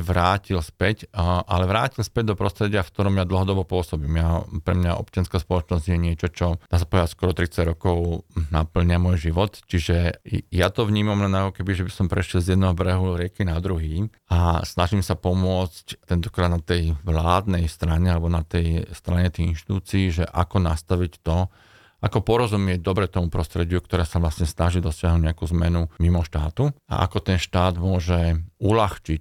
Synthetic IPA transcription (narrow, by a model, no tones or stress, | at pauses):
ʋɾaːcilspɛcʔa̰lɛʋɾaːcilspɛɟ̚d̪ɔpɾɔst̪ɾɛɟɪafkt̪ɔɾɔmjad̪l̩ɦɔd̪ɔbɔpʊɔsɔbiːmjapɾɛmɲaʔɔ̰pt͡ʃɪanskaːspɔlɔt͡ʃnɔzɟjɛɲɪɛt͡ʃɔt͡ʃɔd̪̥aːs̬apɔɛaskɔɾɔt̪ɾit͡saɟɾɔkɔʊnapl̩ɲɪamʊɔjʒiʋɔt̪t͡ʃiʒɛjat̪ɔʋɲiːmamlɛnakɔkɛbiʒɛbisɔmpɾɛʃjɛlzjɛd̪nɛɦɔbɾɛɦuɾɪɛkinad̪ɾuɦiː | asnaʒiːmsapɔmʊɔt͡sct̪ɛnt̪ɔ̥kɾaːd̪nat̪ɛjʋlaːd̪nɛjst̪ɾaɲɛalɛbɔnat̪ɛjst̪ɾaɲɛt̪ɛjinʃt̪i̥t̪uːt͡siːʒɛʔa̰kɔnast̪aʋict̪ɔ | ʔakɔpɔɾɔzumɪɛɟ̚d̪ɔbɾɛt̪ɔmupɾɔst̪ɾɛɟɪukt̪ɔɾɛːsaʋlasɲɛsnaʒiːd̪ɔsɪaɦnuɟɲɛakuːzmɛ̰numimɔʃt̪aːt̪ua̰ʔa̰kɔt̪ɛnʃt̪aːd̪mʊɔʒɛulaxt͡ʃic